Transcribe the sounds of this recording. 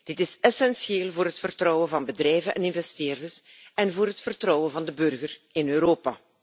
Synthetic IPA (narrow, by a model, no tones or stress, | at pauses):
d̥ɪtɪsɛsɛnsjeːlˠvoːɾɦətfərtrɔwəvɑnbədrɛjvənʔɛ̰nɪnvɛsteːrdərs | ɛnvoːɾɦətfərtrɔwənvɑndəbɵrɣərɪnøːɾoːpa